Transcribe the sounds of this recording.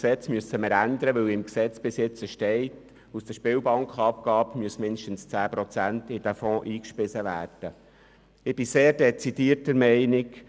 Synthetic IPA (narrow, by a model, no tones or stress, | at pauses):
sɛt͡smyəsːəməɾænd̪əɾəʋɵwɪmksɛt͡sb̥ɪsjɪt͡səʃtɛɪt | usd̥̪əʃpɪːwbɑŋkχɑp̚ɡ̥ɑːpmyəsmɪnd̪ʃtən̩st͡sæːpɾɔt͡sæntɪd̥æfɔ̃ːʔiːkʃpɪsəʋæ̰ːrd̥ə | ɪb̥ɪseːrdɛt͡sid̥iːərtəɾmɛɪnɪk